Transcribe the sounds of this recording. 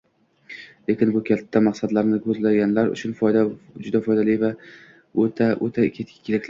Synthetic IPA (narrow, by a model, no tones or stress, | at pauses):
le̞kʲɪnbʊkʲʰat̪ʰːamɑqsad̪laɾnɪkʰɵzlaɡʲanlaɾʊ̰t͡ʃʰʊnfjd̪ad͡ʒʊd̪afɒjd̪alɪjva | aʔot̪ʰakʲʰe̞t̪̚kʲɪ̥kʰʲelɪkʲl